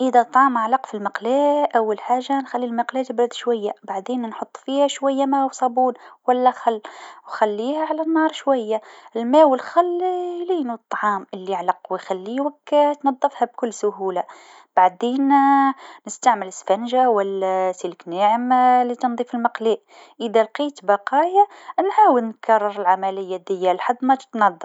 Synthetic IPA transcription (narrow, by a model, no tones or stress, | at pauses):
ʔəðæt̪ˤːʕɑːmʕalɑqfilmɑqlɛʔæwːalħaːʒːanxælːilmɑqlɛːt̪bɾd̪ʃwajːabaʕd̪eːnnħot̪ˤːfiːhæʃwæjːamæwsˤɑbuːnwælːæxɑlːwxælːiːhæʕalænːɑːɾˤʃwæjːaʔɪlmæːwəlxælːjliːnut̪ˤːɑʕɑːmɪlːiʕlɑqwɪjxælːiwakt̪nɑd̪ˤːɨfhæb̚kʊlːsʊhuːla | b̥aʕd̪eːn | nəst̪aʕmələsfænʒawælːæsiləkniʕəmlit̪ənd̪ˤiːfəlmɑqliʔ | ʔəd̪ælqiːt̪bɑqɑːjanʕaːwəlnkɑrˤːɑɾˤəlʕamælɪjːad̪əjːalħad̪ːmæ̥t̪nɑd̪ˤːəf